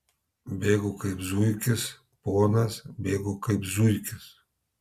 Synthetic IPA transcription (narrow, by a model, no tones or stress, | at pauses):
bʲeːɡʊkɐɪpzujkʲɪs | ponɐsbʲeːɡʊkɐɪpzujkʲɪs